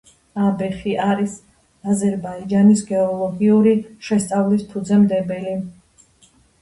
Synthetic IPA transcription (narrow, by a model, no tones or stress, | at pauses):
abɛχiʔaɾis | azɛɾbaid͡ʒanisɡɛɔlˠɔɡiuɾiʃɛst̪sʼavlispʰud̪zɛmd̪ɛbɛli